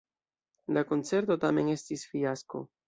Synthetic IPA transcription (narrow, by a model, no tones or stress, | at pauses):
lako̞nt͡se̞ɾto̞tame̞ne̞stisfiasko̞̰